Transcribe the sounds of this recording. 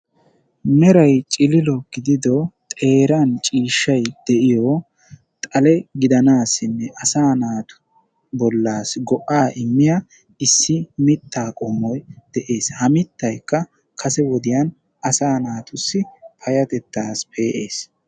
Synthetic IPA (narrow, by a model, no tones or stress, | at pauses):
mɛɾɐjt͡ʃʼɪlɪlɔɡ̥ɪd̪ɪd̪ɔt̪ʼe̞ːɾɐnt͡ʃʼiːʃːɐjd̪̥ɛʔɪjɔ | t̪ʼɐlɛɡɪd̪ɐnaːsːɪnːɛʔɐsaːnaːt̪ʊ̥ | bɔlːaːsɡɔʔaːʔɪmːɪja | ɪsːɪmɪt̪ːaːkʼʊmːɔjd̪̥ɛʔe̞ːshɐmɪt̪ːɐjkːɐ | kʰɐsɛwɔd̪ɪjɐn | ɐsaːnaːt̪ʊsːɪpʰɐjɐt̪ɛt̪ːaːspʰe̞ːʔeːs